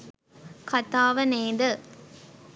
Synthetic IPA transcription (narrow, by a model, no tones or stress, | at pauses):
kɐt̪aːʋɐneːd̪ɐ